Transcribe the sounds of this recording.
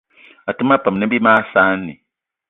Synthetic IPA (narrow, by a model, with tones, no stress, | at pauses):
a˨tu˦ma˦pa˨m˨nɨ̃˦bi˦maː˦saː˦nːḭ˨